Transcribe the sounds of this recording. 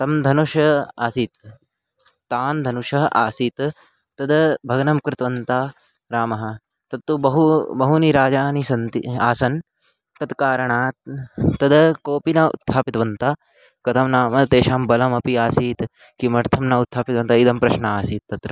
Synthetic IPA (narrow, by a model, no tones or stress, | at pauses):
t̪ɐmd̪ʱɐnuʃɐaːsiːt̪ | t̪aːnd̪ʱɐnuʃɐɦʔa̰ːsiːt̪ | t̪ɐd̪bʱɐɡɐnɐmkɾɪt̪ʋɐnt̪aː | ɾaːmɐɦɐ̆ | t̪ɐt̪ːubɐɦubɐɦuniɾaːd͡ʒaːnisɐnt̪ḭa̰ːsɐn | t̪ɐt̪kaːɾɐɳaːt̪ɐd̪ɐkoːpinɐṵt̪ʰːaːpit̪ʋɐnt̪aː | kɐt̪ʰɐmnaːmɐt̪eːʃaːmbɐlɐmɐpiaːsiːt̪ | kimɐɾt̪ʰɐmnɐut̪ʰːaːpit̪ʋɐnt̪ɐid̪ʱɐmpɾɐʃnɐaːsiːt̪ːɐt̪ɾɐ